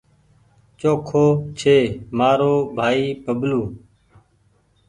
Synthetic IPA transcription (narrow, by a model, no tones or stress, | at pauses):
t͡ʃoːkʰoːt͡ʃʰeːmaːɾoːbʱaːiːbʱəbluː